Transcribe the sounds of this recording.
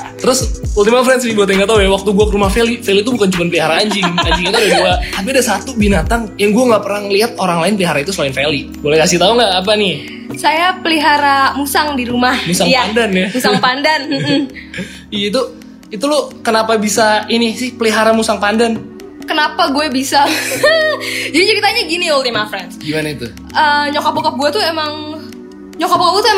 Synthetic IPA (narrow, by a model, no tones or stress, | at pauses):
t̪əɾʊsult̪imafɾɛnsibuat̪ŋɡat̪aujawak̚t̪uɡuakəɾumahfelifelit̪ubukant͡ʃumanpəliɦaɾaːɲd͡ʒd͡ʒiɡimad͡ʒiŋit̪adaduaap̬iadasat̪ubinat̪aŋjaŋɡuaŋɡaʔpərnaŋliɦat̪̚oɾaŋlaɪnpəliɦaɾait̪uslaɪnfeli | bolɛhkasɪt̪auŋɡaʔap̬anɪ | sajapəliɦaɾamusaŋdiɾumahmusaŋaandanjamusaŋpandan̩m̩ | iait̪u | it̪ulokənapabisainɪsɪhpəliɦaɾamusaŋpandan | kənapaɡuɛbisa | d͡ʒadit͡ʃəɾit̪aɲaɡiniult̪imafɾansɡimanait̪u | əɲɔkɔpɔkap̚ɡuɛt̪uemaŋ | ɲɔkɔpɔkɔp̚ɡuat̪ue